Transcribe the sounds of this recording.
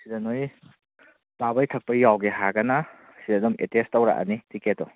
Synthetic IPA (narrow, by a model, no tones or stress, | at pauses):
sidɐnoj | babɐjtʰɐk̚pɐjawɡeɦaɡɐnɐ | sidɐdumetestːɐwɾa̰ʔa̰nitiketɔ